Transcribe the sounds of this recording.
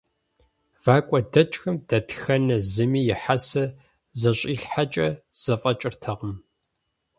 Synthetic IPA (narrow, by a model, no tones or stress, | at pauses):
vaːkʷʼɔdɐt͡ʃʼxɨmd̥ɐtxɐnɐzɨmiːjɪħasɐ | zɐɕʼiːɬħat͡ʃʼɐz̥ɐfʼɐt͡ʃʼɪrtʰɐʁəm